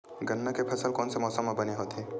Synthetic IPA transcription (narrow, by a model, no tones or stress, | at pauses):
ɡɐnːakepʰɐsəlkɔːnsemɔːsəmãbɐneɦoːt̪eː